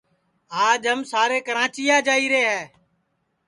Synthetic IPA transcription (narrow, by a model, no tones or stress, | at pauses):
aːd͡ʒɦəmsaːɾeːkəɾãːt͡ʃiːjaːd͡ʒaːiːɾeːɦɛː